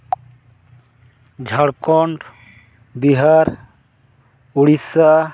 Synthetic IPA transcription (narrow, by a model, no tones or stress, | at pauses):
d͡ʒʱɔɽkɔɳʈ | biɦaɾ | uɽisa